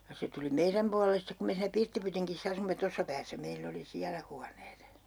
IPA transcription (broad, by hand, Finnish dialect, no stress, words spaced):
jɑ se tuli meiræm puɑlelːes stek ku me siːnæ pirtːipytiŋkisː ɑsumːe tosːɑ pæːsːæ meilː oli siælæ huɑneːt